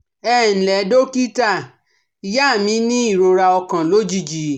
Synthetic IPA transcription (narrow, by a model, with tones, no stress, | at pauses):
ɛ˦˨n̩˨lɛ˨˦do˦ki˦ta˦˨ | i˧ja˦˨mĩ˨˦nĩ˦i˦˨ɾo˧ɾa˧ɔ˧kã˨lo˦d͡ʒi˦d͡ʒi˨